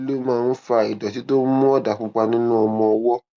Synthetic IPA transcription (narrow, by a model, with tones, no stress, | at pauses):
lo˦mãː˦˧n̩˦fa˧i˨dɔ˨t̬i˨˦to˦mũ˦ɔ˦da˨k͡pũ˦k͡pa˧nĩ˦nũ˦ɔ˧mɔ̃˧ɔ˧wɔ˦